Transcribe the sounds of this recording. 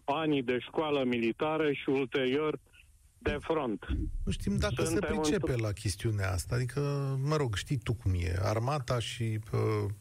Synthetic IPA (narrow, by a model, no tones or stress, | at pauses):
anid̪e̞ʃkoaləmilit̪aɾəʃiult̪e̞ɾio̞r | d̪e̞fɾont̪nuʃt̪imd̪akəsəpɾit͡ʃepe̞lakʲe̞st̪iunea̰a̰st̪aːd̪ikʰəməɾo̞ɡʃt̪ijt̪ukumje̞̰a̰rmat̪aʃiə